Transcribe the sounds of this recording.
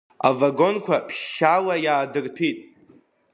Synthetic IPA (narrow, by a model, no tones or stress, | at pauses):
a̰vaɡo̞nkʷʰapʰʃʃalajaːdɨrpʰitʼ